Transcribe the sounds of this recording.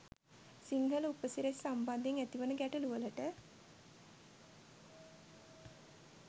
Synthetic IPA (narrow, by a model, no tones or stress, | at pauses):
siŋɡəlupəsiɾessamband̪eŋæt̪iʋənəɡæʈəluʋələʈə